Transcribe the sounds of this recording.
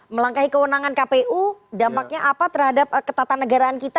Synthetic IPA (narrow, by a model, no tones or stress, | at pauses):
məlaŋkaɦikəwənaŋankapeʔudampak̚ɲaʔapat̪ərɦadap̚kət̪at̪anːəɡaɾaːnkit̪a